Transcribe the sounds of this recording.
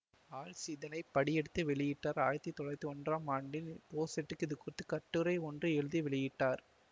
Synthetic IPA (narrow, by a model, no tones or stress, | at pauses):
aːɭsiðɐnɐɪpːɐɽɪjɛɽɯt̪ːɯʋɛɭɪjɪʈːaːɾaːɻɐt̪ːit̪ːɔɭɐɪt̪ːɯɔndraːmaːɳɖɪnpoːsɛʈːɯkːɪðɯkʊrɪt̪ːɯkɐʈːɯɾɐɪɔndrɯɛɻɯðiʋɛɭɪjɪʈːaːɾ